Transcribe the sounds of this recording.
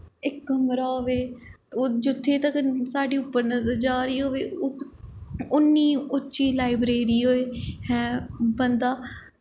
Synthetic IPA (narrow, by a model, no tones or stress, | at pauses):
ɪkːəmɾaːɦoʋeː | d͡ʒʊt̪ʰːeːt̪əksaːɖiːʊpːəɾnəzəɾd͡ʒaːɾiːɦoːʋeː | ʊnːiːʊtːʃiːlaːɪbɾeːɾiːɦoːeːhɛ̃ːbənd̪aː